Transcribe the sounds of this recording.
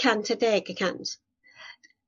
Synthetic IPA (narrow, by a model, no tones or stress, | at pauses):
kʰantʰədeːɡəkʰant